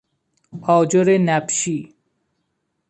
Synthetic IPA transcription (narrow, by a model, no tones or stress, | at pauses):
ɔd͡ʑoɾenɛpʃi